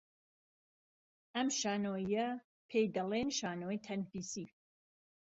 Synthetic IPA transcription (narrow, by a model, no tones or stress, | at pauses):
ʔɐmʃaːnoːjɐ | pʰejd̪ɐlenʃaːnoːjt̪ʰɐnfiːsi